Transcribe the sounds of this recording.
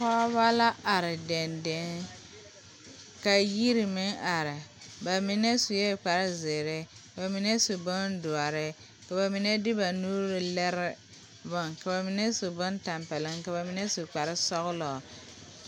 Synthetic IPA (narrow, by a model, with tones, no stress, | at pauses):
pɔ˦ba˦la˦ʔa˨ɾɪ˨dɛ˨ndɪ˦ŋ | ka˨ji˦ɾɪ˨mɪ˦ŋa˨ɾɪ˨ba˨mɪ˦nɛ˦sʊ˨jɛ˦˨k͡pa˨ɾɪ˦zɪ˨ɾɪ˦ka˨ba˨mɪ˦nɛ˦su˨bʊ˦ndʊ˨a˨ɾɪ˦ | ka˨ba˨mɪ˨nɛ˦dɪ˦ba˨nuː˦ɾɪ˨lɛ˦ɾɪ˦ | bɔ˦ŋka˨ba˨mɪ˨nɛ˦sʊ˨bʊ˦nta˨mpɛ˨lɪ˦ŋka˨ba˨mɪ˨nɛ˦sʊ˨k͡pa˨ɾɪ˦sɔ˦ɣʊ˦lɔ˨